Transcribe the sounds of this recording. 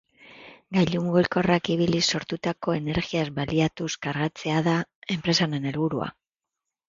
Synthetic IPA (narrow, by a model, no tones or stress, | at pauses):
ɡajʎuŋɡulko̞rakiβiliso̞ɾt̪ut̪ako̞e̞ne̞ɾɣiazbaliat̪uskaɾɣat͡se̞aðae̞mpɾe̞sane̞ne̞lβuɾua̰